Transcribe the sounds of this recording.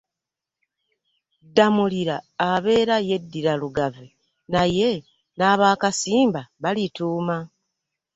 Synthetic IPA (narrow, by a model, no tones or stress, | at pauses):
damuliɾaːβe̞ːɾaje̞dːiɾaluɡave | naje̞ | naːβaːkasiːmbaβalituːma